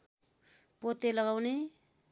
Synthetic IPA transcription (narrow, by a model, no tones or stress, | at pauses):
pot̪elʌɡawne